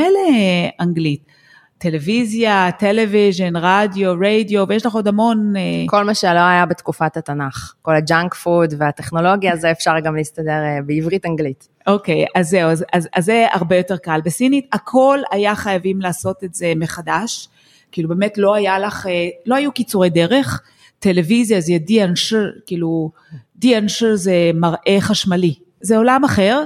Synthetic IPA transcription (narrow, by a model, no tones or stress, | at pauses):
eleaŋɡlitː | e̞le̞vizjateleviʒe̞nʁadjo̞ʁejdijo̞vejeʃlaχo̞dhamo̞neko̞lmaʃeloajabetkufatatanaχko̞lad͡ʒaŋkfudveateχno̞lo̞ɡjazeefʃaʁɡamlistadeʁbeivʁitaŋɡlit | o̞ke̞jazːe̞uazazazːea̰ʁbejo̞te̞ʁkalbesinitakʰo̞lajaχajavimlaːso̞te̞tze̞me̞χadaʃ | kiːlubemetlo̞ajalaχelo̞hajukit͡suʁe̞jde̞ʁe̞χ | te̞levizjazɛdianʃkiːlu | dianʃezemaʁʔe̞χaʃmali | zeo̞lamaχe̞ʁ